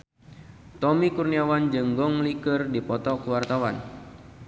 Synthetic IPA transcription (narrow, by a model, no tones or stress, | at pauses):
t̪ɔmikurniawand͡ʒɨŋɡɔŋlikərdipɔt̪ɔkuwart̪awan